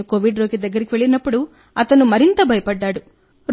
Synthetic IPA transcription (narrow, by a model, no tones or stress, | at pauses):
ukoːʋiɖɾoːkid̪ɐɡːɐɾikiʋe̞ɭinɐpːuɽu | ɐt̪ɐnumɐɾint̪ɐbʱɐjɐpɐɖːaːɽu | ɾ